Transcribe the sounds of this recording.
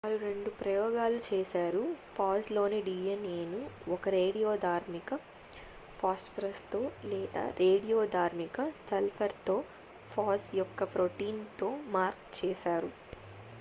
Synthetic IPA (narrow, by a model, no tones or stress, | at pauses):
ɐɾuɾeɳɖupɾɐjɔːɡaːlut͡ʃɛːʃaːɾupʰaːslo̞ːneɖiːjɐneːnuɔkɐɾe̞ːɽijoːd̪ʱaːɾmikɐ | pʰaːspɐɾɐst̪oːlɛːd̪a̰ːɾʔeːɖijoːd̪ʱaːɾmikɐstɐlpʰɐɾt̪o̞ː | pʰaːsjɔkːɐpɾoːʈiːnt̪o̞ːmaːɾkt͡ʃɛːʃaːɾu